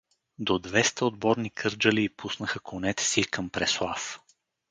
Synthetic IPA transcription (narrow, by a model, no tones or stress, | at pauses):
d̪od̪vɛst̪əod̪̚bɔɾnikʰɤɾd͡ʒəliːpusnəxəkonɛt̪ɛ̥sikəmpɾɛslˠaf